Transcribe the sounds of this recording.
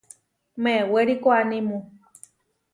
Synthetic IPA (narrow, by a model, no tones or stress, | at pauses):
mẽweɾikoanimũ